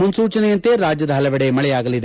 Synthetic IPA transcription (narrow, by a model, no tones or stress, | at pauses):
munsuːt͡ʃɐnɛjɐnt̪e̞ɾaːd͡ʒjɐd̪ɐɦɐlɐʋɛɽemɐɭɛjaːɡɐlid̪